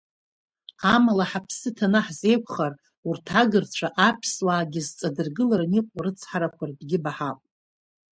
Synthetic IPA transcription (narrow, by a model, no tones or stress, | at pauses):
amalaħapʰsɨtʰanɨħze̞jkʷʰχar | urtʰaɡɨrt͡ɕʷʰaʔapʰswaːɡʲɪzt͡sʼadɨrɡɨlaɾaniqʷʼarɨt͡sʰħaɾakʷʰardɡʲɪbaħapʼ